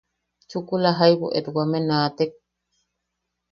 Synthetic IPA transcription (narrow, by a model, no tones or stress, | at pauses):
t͡ʃukulaɦajbo̰ʔeɾuwamenaːt̪ek̚